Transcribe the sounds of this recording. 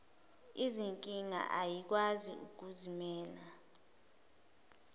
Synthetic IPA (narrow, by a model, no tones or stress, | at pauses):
iziŋkʼiŋa̰ʔajik̬wazḭuk̬uzimɛːla